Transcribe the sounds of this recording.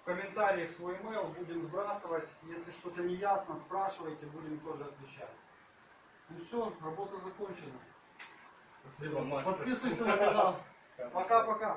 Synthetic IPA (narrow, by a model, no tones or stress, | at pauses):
fkəmʲɪnt̪aɾʲɪjəxsvo̞jmejlˠbudʲɪmzbɾasɨvətʲjesʲlʲɪʂt̪o̞t̪ənʲɪjasnəspɾaʂɨvəjtʲɪbudʲɪmt̪o̞ʐɨɐt̪vʲɪt͡ɕæ̰t̪ʲ | ʊsʲonrɐbo̞t̪əzɐko̞nʲt͡ɕɪnə | sʲibəapɐt̪pʲisujsʲɐnɐkɐnalˠ | pɐkapɐka